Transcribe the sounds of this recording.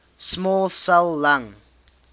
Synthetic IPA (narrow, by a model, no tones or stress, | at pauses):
smɔːlsalˠːãŋ